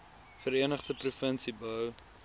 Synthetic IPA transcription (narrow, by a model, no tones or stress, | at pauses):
fəɾiənəχdəprufənsibəw